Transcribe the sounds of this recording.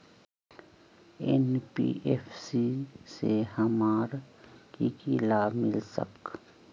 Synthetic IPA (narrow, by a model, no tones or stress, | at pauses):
ḛnpḭʔepʰsisehɐmaːɾ | kikilaːbmɪlsə̰k